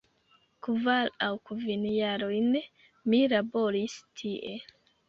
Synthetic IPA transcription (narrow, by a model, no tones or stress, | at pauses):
kuvalawkuvinjaɾojn | milaboɾistʰiʔe